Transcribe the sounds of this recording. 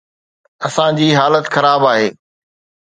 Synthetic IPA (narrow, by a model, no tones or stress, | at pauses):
ɐsãd͡ʑiːɦaːlət̪xɐɾaːbaːɦeː